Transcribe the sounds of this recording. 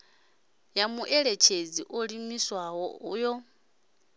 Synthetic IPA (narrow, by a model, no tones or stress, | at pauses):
jamuʔeɺet͡ʃʰed͡ziʔoɺimiswaɦɔujɔ